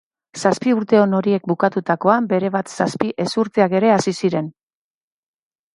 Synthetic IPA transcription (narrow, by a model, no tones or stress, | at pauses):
saspiuɾt̪e̞o̞no̞ɾie̞k̚bukat̪ut̪ako̞ambe̞ɾe̞β̞at̪saspiʔe̞suɾt̪e̞ake̞ɾe̞asisiɾe̞n